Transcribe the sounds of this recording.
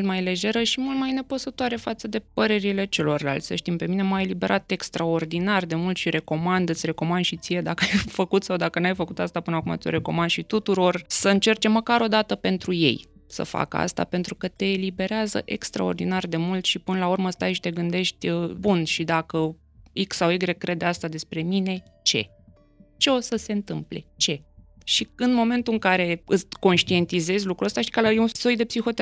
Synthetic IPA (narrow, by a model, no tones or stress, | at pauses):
lt̪majle̞ʒe̞ɾəʃimult̪̚majne̞pəsət̪oaɾe̞fat̪səd̪e̞pəɾe̞ɾile̞t͡ʃe̞lo̞rla̰lt̪sʲsə̰ʃt̪impe̞mine̞majelibe̞ɾʔat̪e̞kst̪ɾao̞rd̪inard̪e̞mult̪ʃiɾe̞ko̞mand̪ɨt̪sʲre̞ko̞mand̪ʃit̪sije̞d̪akəajfəkut̪sawd̪akənajfəkut̪ast̪apɨnəakuma̰o̞ɾe̞ko̞̰mand̪ʃit̪ut̪uɾo̞rsəɨnt͡ʃe̞rt͡ʃe̞mːəkaɾo̞d̪at̪əpe̞nt̪ɾuje̞̰jsə̰fa̰kəa̰st̪a̰pe̞nt̪ɾukət̪e̞ːlibe̞ɾeazə̰ʔe̞̰kst̪ɾa̰o̞̰rd̪inard̪e̞mult̪ʃipɨnəlaurməst̪ajʃi̥t̪e̞ɡɨnd̪e̞ʃt̪ʲbunʃid̪akə | iksawiɡɾe̞kːɾe̞d̪east̪ad̪e̞spɾe̞mine̞ | t͡ʃe̞̰ | t͡ʃe̞o̞səse̞ɨnt̪ɨmple̞̰t͡ʃe̞ | ʃiɨnmo̞me̞nt̪uɨŋkaɾe̞ɨko̞nʃt̪ie̞nt̪ize̞zʲlukɾuəst̪aʃii̥kalajeunsojd̪e̞psixo̞t̪e